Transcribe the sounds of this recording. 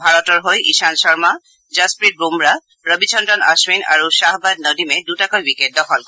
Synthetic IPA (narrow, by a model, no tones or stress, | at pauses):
bʱaɹɔtɔɹɦojḭsansɔɹma | zaspɹit̚bumɹa | ɹɔbit͡ʃʰɔndɔna̰swina̰ɹusaɦbad̚nɔdimɛdutakɔjwikɛd̚dɔxʰɔl